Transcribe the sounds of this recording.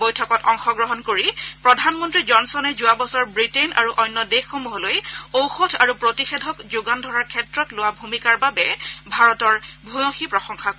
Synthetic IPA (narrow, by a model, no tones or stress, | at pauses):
bojtʰɔkɔtɔŋxɔɡɹɔɦɔnkoɹipɹɔdʱanmɔntɹizɔnsɔnɛzʊabɔsɔɹbɹitena̰ɹuʔɔjnːɔdexːomuɦɔlojowxotʰaɹupɹotixɛdʱɔkzʊɡandʱɔɹaɹkʰɛtɹɔtlʊwabʱumikaɹbabɛbʱaɹɔtɔɹbʱujõxipɹɔxɔŋxʰak